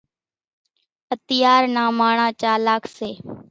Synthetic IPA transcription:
ət̪ɪjaːɾnaːmaːɳãːt͡ʃaːlaːkʰseː

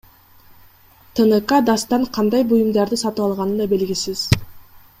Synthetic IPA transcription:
t̪ʰənəkɑd̪ɑst̪ɑɴqʰɑnd̪ɑjbujumd̪ɑɾd̪ɯsɑt̪ɯɑlˠʁɑnɯnd̪ɑbe̞lɡʲisiz̥

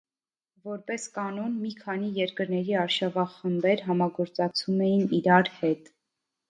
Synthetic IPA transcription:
vɔɾpɛskɑnɔnmikʰɑnijɛɾkəɾnɛɾiɑɾʃɑvɑχəmbɛɾɦɑmɑɡɔɾt͡sɑkt͡sʰumɛjiniɾɑɾhɛt̪

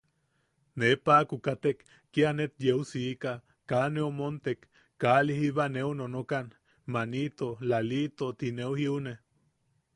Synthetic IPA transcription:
nepaːkukat̪ekː | ianet̪jeusika | kaneomont̪ekː | alihiβaneunonokan | manit̪olalit̪ot̪ineuhiune

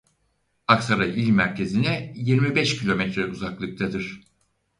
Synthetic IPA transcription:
aksaɾaʔilʲmæɾcʰe̞zinɛjiɾmibɛʃcʰilʲo̞mɛt̪ɾɛuzaklˠɯk̚t̪ʰad̪ɯɾ̥

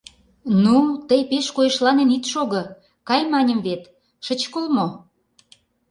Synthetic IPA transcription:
nut̪əjpeʃkojeʃlɑnenit̪ʃoɣɤ̆ | kɑjmɑnʲə̆mβet̪ | ʃə̆t͡ɕkəlmo

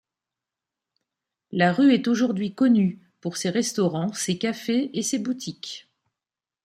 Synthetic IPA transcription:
laʁyɛt̪oʒuʁd̪ɥikɔny | puʁseʁɛst̪ɔʁɑ̃sekafeesebut̪ʰikʲ

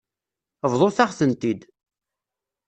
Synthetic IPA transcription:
vðˤoθaʁθənt̪id̪

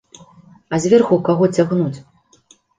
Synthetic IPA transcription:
ɐzʲvʲarxukaɣɔt͡sʲaɣnut͡sʲ

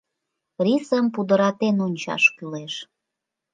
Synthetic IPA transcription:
risəmpud̪əɾɑt̪enonʲt͡ɕɑ̰ʃkyleʃ

